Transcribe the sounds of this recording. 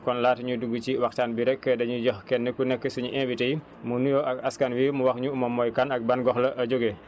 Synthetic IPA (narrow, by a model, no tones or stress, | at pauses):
kɔnlaːtɲuduɡut͡ʃiwaktaːnbiɾɛkːədɐɲuɟɔxkɛnːikunɛkːəsuɲuʔɛ̃bitej | munujɔʔɐkaskanwimuwaxɲumɐmɔjkanɐk̚banɡɔxlɐʔɐɟoɡe